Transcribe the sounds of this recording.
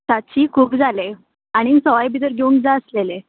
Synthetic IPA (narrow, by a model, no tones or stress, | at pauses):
t̪at͡ɕiːkʰuːpd͡zʱale | aɽ̃isəʋajbʱid̪əɾɡʱeunkd͡zaəslele